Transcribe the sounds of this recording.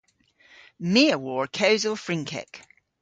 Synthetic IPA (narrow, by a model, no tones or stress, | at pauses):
miəwɔːɹkʰəʊzəlˠfɹɪ̃ŋkʰɛ̰k